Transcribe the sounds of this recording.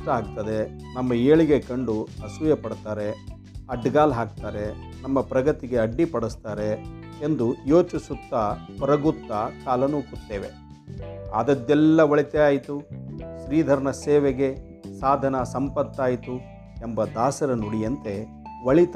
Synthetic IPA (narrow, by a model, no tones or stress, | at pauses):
ʈɐaːk̚t̪ɐd̪e̞ | nɐmːɐeːɭiɡe̞kɐɳɖuɐsujɐpɐɽt̪aːɾe̞ | ɐɖɡaːlɦaːk̚t̪aːɾe̞ | nɐmːɐpɾɐɡɐt̪iɡe̞ɐɖːipɐɽust̪aːɾe̞ | end̪ujoːt͡ʃisut̪ːɐpɐɾɐɡut̪ːɐkaːlɐnuːput̪ːeːʋe | aːd̪ɐd̪ːɛlːɐʋɐɭit̪eaːjit̪uʃɾiːd̪ʱɐɾɐnɐseːʋeɡe̞ | saːd̪ʱɐnɐsɐmpɐt̪ːaːjit̪u | embɐd̪aːsɐɾɐnoɽijɐnt̪e̞ | ʋɐɭit̪